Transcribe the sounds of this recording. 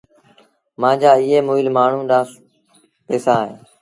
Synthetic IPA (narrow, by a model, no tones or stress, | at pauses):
mãːd͡ʒaːɪːeːmoːɪlmaːɳ̤ũːɗãːs | peːsãːɦḛː